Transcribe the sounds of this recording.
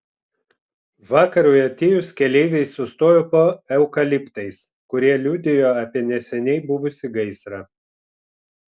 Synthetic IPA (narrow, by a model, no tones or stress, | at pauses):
ʋɑːkɐɾuːjɐt̪ʲeːjʊskʲɛlʲɛɪʋʲɛɪsːʊst̪oːjoːpoːɛʊkɐlʲɪpt̪ɐɪs | kʊɾʲiɛlʲud̪ʲɪjoːɑːpʲiɛnʲɛsʲɛnʲɛɪbʊʋʊsʲɪɡɐɪsɾɐ